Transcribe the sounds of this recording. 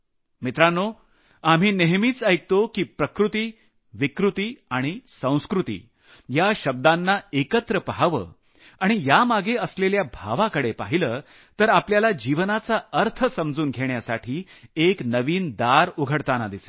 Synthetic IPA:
mit̪ɾanːo | am̤iːneɦmiːt͡səjk̚t̪okiːpɾəkɾut̪iː | ʋikɾut̪iːaɽ̃isə̃w̃skɾut̪ḭː | jaɕəb̚d̪anːaekət̪ɾəpəɦaʋə̰ː | aɽ̃ijamaɡʱeəsleljabʱa̰ʋakəɽepaɦiləː | t̪əɾapljalad͡ʑiʋnat͡saəɾt̪ʰəsəmd͡zuːnɡʱeɳjasaʈʰiːeknəʋiːnd̪aɾuɡʱəɽt̪anad̪ise̥

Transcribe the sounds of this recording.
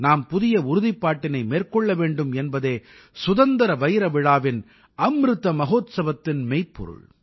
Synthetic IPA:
naːmpʊðɪjɐʊɾʊðɪpːaːʈːɪnɐɪmeːrkɔɭːɐʋeːɳɖɯmɛnbɐðeː | sʊðɐnd̪ɐɾɐʋɐjɾɐʋɪɻaːʋɪn | ɐmɾɯt̪ːɐmɐɣoːt̪sɐbɐt̪ːɪnmɛɪpːɔ̰ɾɯ̰ɭ

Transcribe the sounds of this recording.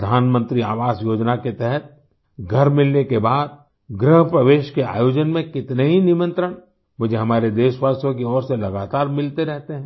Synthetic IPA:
d̪ʱaːnmə̃nt̪ɾiaːʋaːsjoːd͡ʒnaket̪ɛɦɛt̪̚ | ɡʱɐɾmɪlnekebaːd̪̚ | ɡɾəɦəpɾəʋeːʃkea̰ːjoːd͡ʒənmẽkɪt̪neɦinɪmə̃nt̪ɾəɽ̃ | mʊd͡ʒʱeɦɐmaːɾed̪eːʃʋaːsjõkeɔːɾselɐɡaːt̪aːɾmɪlt̪eɾɛɦt̪eɦɛ̃ː

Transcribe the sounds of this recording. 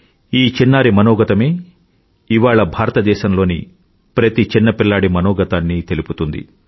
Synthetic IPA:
iːt͡ʃinːaːɾimɐnɔːɡɐt̪ɐme̞ː | iʋaːɭɐbʱaːɾɐt̪ɐd̪ɛːʃɐmlo̞ːni | pɾɐt̪it͡ʃinːɐpiɭːaːɽimɐnɔːɡɐt̪aːnːit̪eliput̪und̪ḭ

